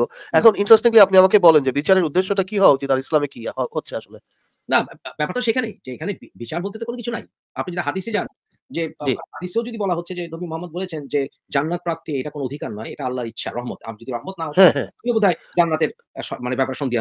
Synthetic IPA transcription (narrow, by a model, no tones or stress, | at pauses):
oɛkʰoniɳʈɾesʈiŋliapniamakebɔlend͡ʑebit͡ɕaɾeɾud̪ːeʃːoʈakiɦɔed͡ʑit̪aɾislamekiɦɦotːɕʰeaʃole | nabɛpaɾt̪aʃekʰanejd͡ʑeekʰaneibit͡ɕaɾbolt̪ʰot̪ekonokit͡ɕʰunaj | a̰pnid͡ʑeʈaɦad̪ised͡ʑan | d͡ʑeɦad̪iseod͡ʑod̪ibɔlaɦotːɕʰed͡ʑenomimoɦamːod̪̚bolet͡ɕʰend͡ʑe | d͡ʑanːat̪̚pɾap̚t̪iejʈakonood̪ʱikaɾnɔeeʈaalːaɾitːɕʰa̰ɾɔɦmɔt̪a̰d͡ʑod̪iɾɔɦmot̪̚naoɦɛ̃ɦɛ̰̃imebud̪ʱaed͡ʑanːat̪eɾ | ʃɔmanebɛpaɾʃond̪ia